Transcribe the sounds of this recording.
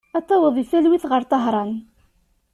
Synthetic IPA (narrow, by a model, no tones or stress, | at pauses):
æt̪ːɑwəðˤifælwiθʁəɾt̪ˤɑɦɾˤɑn